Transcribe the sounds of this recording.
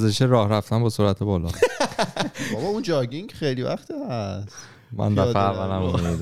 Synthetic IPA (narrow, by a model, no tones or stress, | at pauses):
zeʃeɾɒːhɾæft̪ænbesoːɾæt̪ʰebɒːlɒː | bɒbɒund͡ʒɒːɡiŋcʰχejlivæ̰χt̪ʰihæs | mæ̰nd̪æeævːælæmumid̪